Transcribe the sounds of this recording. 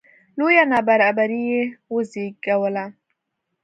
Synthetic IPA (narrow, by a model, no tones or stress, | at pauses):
lojanabaɾabaɾijewozikawəla